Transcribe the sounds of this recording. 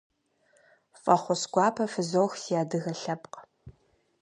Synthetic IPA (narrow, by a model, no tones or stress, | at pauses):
fʼɐχʷʊsɡʷɑːpʰɐfɨzowxsijaːdɨɣɐɬɐpʼqʼ